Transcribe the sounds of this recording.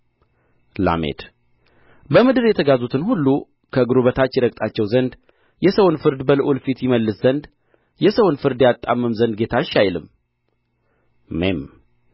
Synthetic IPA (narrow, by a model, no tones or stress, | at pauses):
la̰mḛd̪ | bəmɨd̪ɨɾjɛt̪ʰəɡazut̪ʰɨnhulːu | kʰəɡɨɾuβət̪ʰat͡ʃːjɛɾəkʼt̪ʼat͡ʃːɛwzənd̪ | jɛsəwnfɨɾd̪bəlɨʔulfit̪jɪməlːɨszənd̪ | jɛsəwnfɨɾd̪jat̪ʼːamɨmzənd̪ɡe̞t̪ʰaʃajlɨm | mḛm